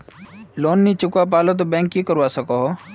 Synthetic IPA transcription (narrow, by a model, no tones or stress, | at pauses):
loːnːit͡ʃʊkap̬aːlot̪̬obɛ̃ːŋkːikəɾʋasɐkoɦo